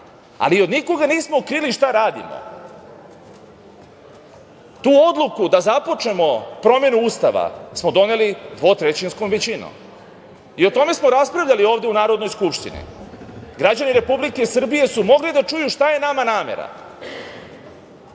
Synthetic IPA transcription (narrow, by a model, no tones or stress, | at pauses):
a̰lio̞d̪niko̞ɡaniːsmoukɾiliʃt̪aɾaːd̪ḭmo̰ | t̪uːo̞d̪lˠukud̪azapo̞t͡ʂne̞mo̞pɾo̞me̞nuust̪aʋa̰smod̪o̞ne̞lid̪ʋo̞t̪ɾet͡ɕinskomʋet͡ɕino̰m | io̞t̪o̞me̞smoɾaspɾavʎʲalio̞ːvd̪eunaːɾod̪nojskupʃt̪ḭnḭɡɾad͡ʑaniɾe̞publikeisr̩bije̞sumo̞ɡlid̪at͡ʂujuʂt̪aje̞namanaːme̞̰ɾa̰